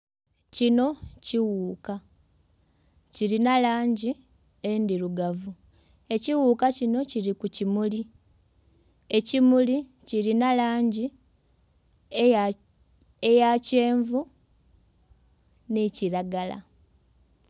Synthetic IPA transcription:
cino̞ciwuːka | ciɾinalaːɲɟi | endiɾuɡavu | e̞ciwuːkacino̞ciɾikucimuli | e̞cimuli | ciɾinalaːɲɟi | ejace̞ːɱvu | neciɾaɡala̰

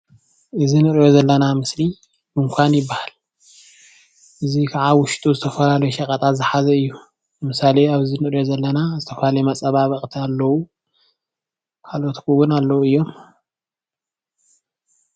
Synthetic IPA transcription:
ʔɨzinɨɾjo̞zɐlːɐnamɨsli | mɨmkʷʰanjɪbːahal | ʔɨzikʰaʕawʊʃt̪ʼuzɨt̪ʰɐfɐlalɐjuʃɐkʼɐt̪ʼazɨħazɐɨjːu | bɨmɨsaleaβɨzinɨʔʼɾjo̞zɐlːɐnazɨt̪ʰɐfɐlalɐjmɐt͡sʼɐβaβɐχʼt̪ʰialːɐwu | kʰalot̪kʰuwʊnalːɐwuɨjːo̞m

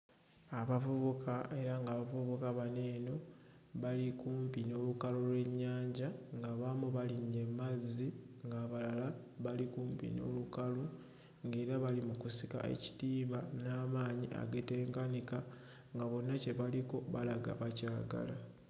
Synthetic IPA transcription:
aβavuβukʰaʔe̞ɾaŋɡaːβavuβukaβane̞ːno̞ | βalikuːmpino̞ːlukalolwe̞ɲːaːɲɟaŋɡaβamuβaliɲːe̞mːazːiŋɡaːβalala | βalikuːmpḭno̞̰lukalu | ŋɡe̞ːɾaβalimukusika̰ʔe̞̰ci̥tiːmanaːmaːɲiʔa̰ɡe̞te̞ːŋkanika | ŋɡaβo̞nːace̞βaliko̞βalaɡa̰βacaːɡa̰la

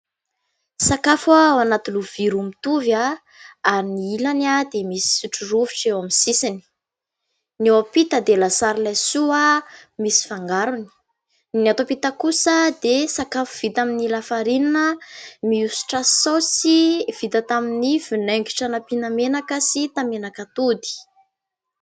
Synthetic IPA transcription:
sakafawanat̪uluv̥iɾumit̪uvja | aɾiniilanad̪emisi̥iʈ͡ʂuruviʈ͡ʂewamisisini̥ | newapit̪əd̪elasaɾilajsuamisi̥faŋɡaɾuni̥ | nat̪opit̪akusəd̪esakafuv̥it̪aminilafaɾininəmiusu̥ʈ͡ʂasosiv̥it̪at̪aminivineŋɡi̥ʈ͡ʂanapinamenakəsit̪amenakat̪ud̪i̥

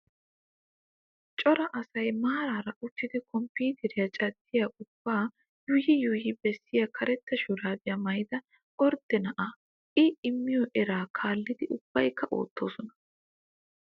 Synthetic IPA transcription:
t͡ʃʼɔɾɐʔɐsɐjmaːɾaːɾɐʔʊt͡ʃːɪd̪ɛkɔmpiːt̪ʰɛɾɪjɐt͡ʃʼɐd̪ːɪjaʔʊb̥ːaː | juːjɪjuːjɪbɛsːɪjakʰɐɾɛt̪ːɐʃuɾaːd̪ɪjɐmɐjd̪ɐ | ʔɔɾd̪ɛnɐʔa | ɪɪmːɪjɔʔɛɾaːkʰaːlːɪd̪ɪʔʊb̥ːɐjkːɐʔo̞̰ːt̪ːo̞ːsɔnɐ̥

